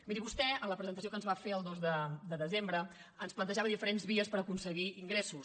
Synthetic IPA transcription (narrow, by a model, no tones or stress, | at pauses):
miɾiβust̪ɛələpɾəzənt̪əsiokənzβafeəlˠd̪ozðəd̪əðəzembɾə | ənsplənəʒaβəðifəɾenzβiəspəɾəkunsəɣiiŋɡɾesus